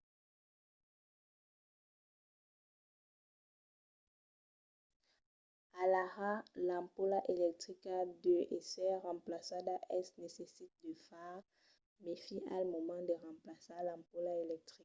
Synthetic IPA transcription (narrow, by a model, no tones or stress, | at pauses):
alaʁalãpolaʔelɛk̚t̪χikad̪øʔesɛʁɑ̃plasad̪aʔɛsnesesit̪̚d̪əfaʁ | mefia̰lmɔmɑ̃d̪əʁɑ̃plasalãpolaelɛk̚t̪χik